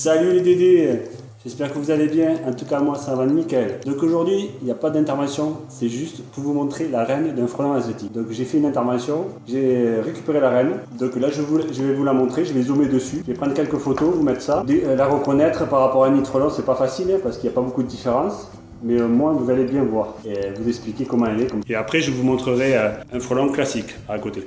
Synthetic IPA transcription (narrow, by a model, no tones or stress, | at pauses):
salyled̪ed̪e | ʒ̥ɛspɛʁkəvuzalebjɛ̃ɑ̃t̪ukamwasãvãnmikald̪ɔ̃koʒuʁd̪ɥiiljapad̪ɛ̃t̪ɛʁvɑ̃sjɔ̃sɛʒyst̪puʁvumɔ̃t̪χelaʁɛnd̪ɛ̃fχɔlɑ̃azet̪ikd̪ɔ̃kʒefɛynɛ̃t̪ɛʁvɑ̃sjɔ̃ʒeʁekʲy̥peʁelaʁɛnd̪ɔ̃klaʒəvuʒəvɛvulamɔ̃t̪χeʒəvɛzomed̪əsyʒəvɛpχɑ̃d̪ʁəkʲɛlkəfot̪ovumɛt̪χə̥sad̪elaʁəkɔnɛt̪χəpaʁapɔʁaɛnit̪χɔlɔ̃sɛpafasilɛ̃paʁsə̥kiljapabokud̪əd̪ifeʁɑ̃s | mɛømwɛ̃vuzalebjɛ̃vwaʁevuzɛksplikʲekɔmɑ̃alɛkɔmeapχɛʒəvumɔ̃t̪χəʁɛøɛ̃fχɔlɔ̃klasik | aːkot̪e